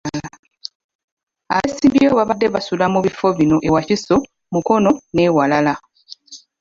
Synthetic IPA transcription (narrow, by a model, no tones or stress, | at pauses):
a̰βesiːmbijoːβaβadːe̞βasulamuβifo̞βino̞ʔe̞waciso | muko̞no̞neːwalala